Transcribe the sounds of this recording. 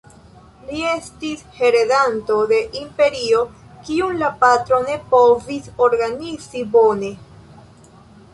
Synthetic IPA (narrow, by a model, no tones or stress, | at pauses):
lie̞stishe̞ɾe̞danto̞de̞ʔimpe̞ɾio̞kiunlapatɾo̞ne̞po̞viso̞ɾɡanizibo̞ne̞